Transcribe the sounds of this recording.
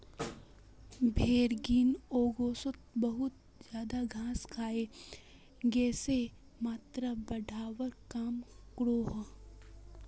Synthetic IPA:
bʱeːɾɡiːnoːɡoːsət̪̚bəɦʊt̪̚ | d͡ʒjaːd̪aɡʱaːskʰaːe | ɡɛːse | maːt̪ɾabɐɖʱaːwəɾkaːmkɾoːɦ

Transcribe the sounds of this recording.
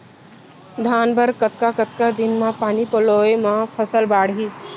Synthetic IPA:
d̪ʱaːnbəɾkət̪̚kakət̪̚kad̪ɪnmãpaːnipəloːemãpʰəsəlbaːɽɦiː

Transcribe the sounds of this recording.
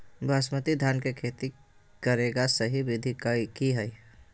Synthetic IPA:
bʱaːsmət̪id̪ʱaːnkekʰeːt̪i | kəɾeːɡasəɦibɪd̪ʱikakiɦəi

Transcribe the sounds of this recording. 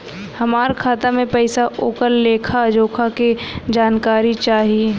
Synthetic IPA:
hɐmaːɾkʰaːt̪amẽpɐɪsaʔoːkəlːeːkʰad͡ʒoːkʰaked͡ʒaːnkaːɾit͡ʃaːɦie

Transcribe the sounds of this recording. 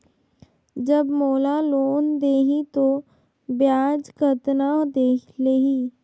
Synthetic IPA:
d͡ʒəbmoːlaloːnd̪eːɦĩt̪o | bjaːd͡ʒkət̪nad̪eːleːɦiː

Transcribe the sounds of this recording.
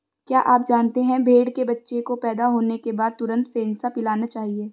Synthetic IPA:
kjaːʔaːp̚d͡ʒaːnt̪eɦɛ̃bʱeːɽkebɐtːʃekopɛːd̪aɦoːnekebaːd̪̚t̪ʊɾə̃nt̪feːnsapɪlaːnat͡ʃaːɦieː

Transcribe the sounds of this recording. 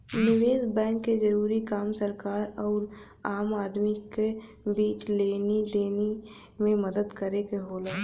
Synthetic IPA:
nɪʋeːzbɛ̃ːŋkːed͡ʒɐɾuːɾikaːmsəɾkaːɾɔːɾ | aːmaːd̪mike | biːt͡ʃleːned̪eːne | mẽməd̪əd̪kəɾekeɦoːlaː

